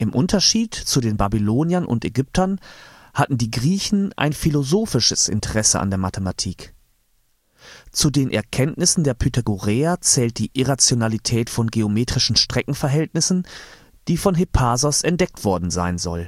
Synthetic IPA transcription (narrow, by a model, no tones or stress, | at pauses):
ʔɪmʔʊntɐʃiːtt͡sudeːnbabiloːnjɐnʔʊ̰ntɛɡʏp̚tʰɐn | hatn̩diːɡʁiːçn̩ʔa̰ɪnfilozoːfɪʃəsʔɪ̰ntʰəʁɛsə̰ʔa̰ndeːɐmatʰəmatʰiːk | t͡sudeːnʔɛ̰ɐkʰɛntnɪsn̩deːɐpʰytʰeɡoʁɛːat͡sɛːlt̚d̥iːʔɪʁat͡sjonalitʰɛːtfɔnɡeomeːtʁ̥ɪʃn̩ʃtʁ̥ɛkŋ̩fɛɐɦɛltnɪsn̩ | d̥iːfɔnɦepʰaːzɔsɛntd̥ɛk̚tv̥ɔɐdn̩za̰ɪnzɔ̰l